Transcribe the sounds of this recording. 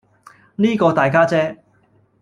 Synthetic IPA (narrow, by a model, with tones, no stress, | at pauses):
niː˥kɔː˧t̪aː˨˩jkaː˥t͡sɛː˥